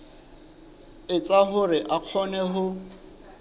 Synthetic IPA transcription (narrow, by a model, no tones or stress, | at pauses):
ɪt͡sʼaɦʊɾɪʔaq͡χʰɔnɛɦʊ